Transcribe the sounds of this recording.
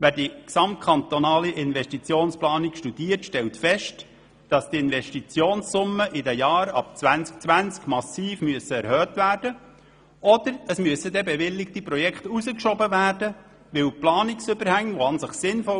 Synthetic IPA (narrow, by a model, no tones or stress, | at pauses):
ʋæːdiksɑmt̚kʰɑnt̪ɔnɑːliʔɪnvɛʃtit͡sjoːnsplɑːnikʃtud̥iːərtʃtɛltfɛʃt | d̥ɑsd̥iɪnʋɛʃtit͡sjoːnssʊmːəʔɪdɛjɑːɾɑ̰p̚t͡sʋænt͡sk̚t͡sʋænt͡skmɑsiːfmyəsəɛɾhœːtvæːrd̥ə | ɔd̥̪əɾəsmyəsədɛbɛʋɪlːɪktiprɔjɛkχtuzəkʃɔbəʋæːrdə | ʋɪwplɑːnɪksʏbəɾhæŋːʋoɑnsɪχsɪnfɔ